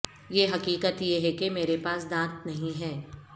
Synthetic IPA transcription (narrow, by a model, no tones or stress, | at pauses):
jeːɦɐkiːkət̪jeɦekemeːɾepaːsd̪ãːt̪nɐɦĩɦɛː